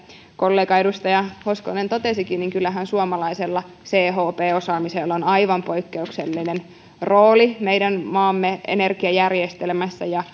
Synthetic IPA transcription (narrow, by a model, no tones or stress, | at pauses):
kolːeːkɑedust̪ɑjɑhoskonent̪ot̪esikinniŋkylːæɦænsuɑmɑlɑiselːɑ | seːɦoːpeːosɑːmiselːonɑiʋɑmpo̞ikːeukselːinen | ro̞ːlimeidænmɑːmːeʔḛnerkiɑjærjest̪elmæsːæjɑ